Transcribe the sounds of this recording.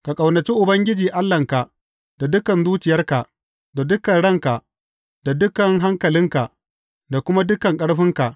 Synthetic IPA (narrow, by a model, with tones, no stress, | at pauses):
ka˨kʼa˨wnɐ˨t͡ʃi˦ʔʊ˨bɐ˦ŋɡʲɪ˦d͡ʒiː˨ʔa˦lːɐ˨ŋka˨ʔ | da˨dʊ˦kɐ˨nzuː˦t͡ʃɪ˨jɐ˦rka˨ʔ | da˨dʊ˦kɐ˨nɽɐ˦˨ŋka˨ʔ | d̥a˨dʊ˦kɐ˨ŋɦa˦ŋkɐ˨lɪ˦ŋka˨ʔ | da˨kʷʊ˦ma˦dʊ˦kɐ˨ŋkʼɐ˦ɽɸɪ˦ŋka˨ʔ